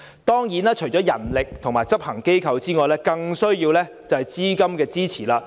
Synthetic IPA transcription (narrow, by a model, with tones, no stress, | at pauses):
t̪ɔː˥ŋjiː˨˥naː˥t͡ʃʰɵ˨˩t͡sɔː˨˥jɐ˨˩nlɪ˨k̚t̪ʰʊ˨˩ŋmaː˨jt͡sɐ˥p̚hɐ˨˩ŋke˥jkʰɐ˨˧wt͡siː˥ŋɔː˨˧jlɛː˥kɐ˧ŋsɵ˥ɥjiː˧wlɛː˥ | t͡sɐ˨whɐ˨jt͡siː˥kɐ˥mkɛː˧t͡siː˥t͡sʰiː˨˩laː˧